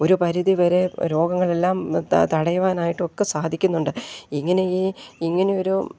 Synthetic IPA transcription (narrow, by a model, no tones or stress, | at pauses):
o̞ɾupɐɾiðiʋɐɾe̞ɾo̞ːɡɐŋːɐɭe̞lːaːmt̪ɐɽɐjuʋaːnaːjiʈːɨo̞kːesaːd̪ʱikʲːunːuɳɖɨiŋːɐne̞iːiŋːɐne̞o̞ɾu